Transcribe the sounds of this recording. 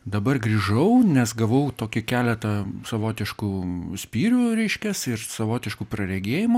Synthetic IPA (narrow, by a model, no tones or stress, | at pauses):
d̪ɐbɐrɡɾʲiʒɐʊnʲɛsɡɐʋɐʊt̪oːkʲɪkʲæːlʲɛt̪ɐsɐʋoːt̪ʲɪʃkuːsʲpʲiːɾʲuɾʲɛɪʃʲkʲɛsɪrsɐʋoːt̪ʲɪʃkuːpɾɐɾʲɛɡʲeːjɪmʊ